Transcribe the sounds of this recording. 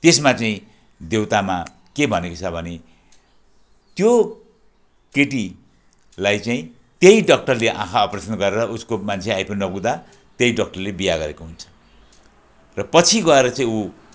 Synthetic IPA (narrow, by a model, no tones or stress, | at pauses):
t̪esmat͡saĩ | d̪ewt̪ama | kebʱʌnekot͡sʰʌbʱʌne | t̪jo | keʈi | lajt͡saĩ | t̪jejɖʌk̚ʈʌrleʔã̰kʰaʌprʌsʌnɡʌɾeɾʌʔuskomant͡sʰeajpʰonːʌbũd̪a | t̪jejɖʌk̚ʈʌrlebijaɡʌɾekoɦunt͡sʰʌ̥ | rʌpʌt͡sʰiɡʌeɾʌt͡saĩu